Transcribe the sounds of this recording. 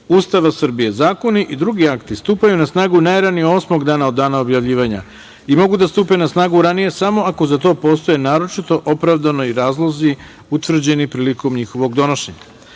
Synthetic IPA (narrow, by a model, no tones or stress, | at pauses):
ust̪aʋasr̩bije̞zaːko̞niʔid̪ɾuɡiakt̪ist̪uːpajunasnaːɡunaːjɾanijeo̞ːsmo̞ɡd̪aːnaod̪ːaːnao̞bjaʋʎiːʋaɲa̰ | imo̞ɡud̪ast̪uːpe̞nasnaːɡuɾanije̞samo̞ako̞zat̪̬o̞ːpo̞ːst̪o̞je̞naːɾo̞t͡ʃit̪o̞ʔopɾaʋd̪anojɾaːzlˠo̞zi | ut̪ʋr̩d͡ʑe̞nipɾiːliko̞mɲixo̞ʋo̞ɡd̪o̞noʃḛɲa